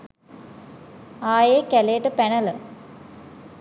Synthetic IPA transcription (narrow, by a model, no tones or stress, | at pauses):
aːjeːkælejəʈəpænələ